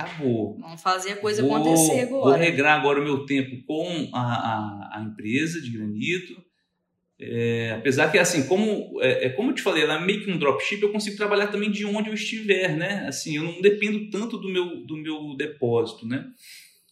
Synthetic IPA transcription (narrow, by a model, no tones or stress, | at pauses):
kabonɐ̃w̃fazeɐkojzɐvoõevoɦeɡɾaaɡɔɾɐʊmewt̪ẽpʊkõw̃aaɐ̰ẽpɾezɐd͡ʒɪɡɾɐ̃nit̪ʊ | ɛapezaɾkɪasĩkõmʊɛʔɛkõmʊewt͡ʃɪ̥falejlaɛmejʊkɪũd̪ɾɔpʃipewkõsiɡʊt̪ɾabaʎaɾt̪ɐ̃mbẽj̃d͡ʒɪõnd͡ʒɪewist͡ʃivɛɾnɛa̰sĩewnɐ̃d̪epẽnd̪ʊt̪ɐ̃t̪ʊd̪ʊmewd̪ʊmewd̪epɔzit̪ʊnɛ